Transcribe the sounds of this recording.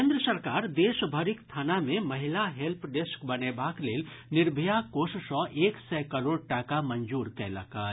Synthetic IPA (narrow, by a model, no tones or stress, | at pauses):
kend̪ɾəsəɾkaːɾd̪esəbʱəɾikst̪ʰanamẽməɦilaɦelpʰɖeskbənebakleːlniɾbʱijakossɔ̃ʔeksɛkəɾoɽʈakamənd͡ʒuɾkɛlə̰kə